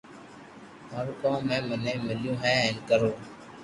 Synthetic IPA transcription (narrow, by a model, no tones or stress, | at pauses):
ɦəɾkõmɛ̃ːməneːmɪljũːɦɛ̃ːɦɛnkəɾoː